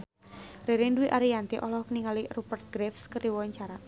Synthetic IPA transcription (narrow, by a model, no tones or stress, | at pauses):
reɾinduwiʔaɾijant̪iʔɔlɔkəniŋalirupərt̪̚ɡ̥ɾɛfskəɾiwɔɲt͡ʃaɾa